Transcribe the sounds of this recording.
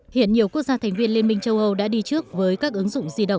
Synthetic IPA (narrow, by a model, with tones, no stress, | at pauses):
hḭ˧˨ənɲi˨˩əwku˦˥ək̚zaː˧t̪ʰɛ˨˩ŋ̟vi˧ənli˧ənmï˧ŋ̟t͡ɕə˧wʔə˧wɗa̰ː˧˥ɗi˧t͡ɕɨ˦˥ək̚vəː˨˦jkaː˦˥k̚ʔɨ˨˦ŋzʊ̰˧˨ŋ͡mzi˧ɗə̰˧˨wŋ͡m